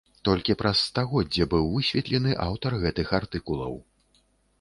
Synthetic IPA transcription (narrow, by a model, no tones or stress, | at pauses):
t̪ɔlʲkʲipɾʔɐsːt̪aɣɔdd͡zʲɐbɨwvɨsʲvʲɛt̪lʲɛnɨʔawt̪ɐrɣɛt̪ɨxart̪ɨkulˠɐ̰w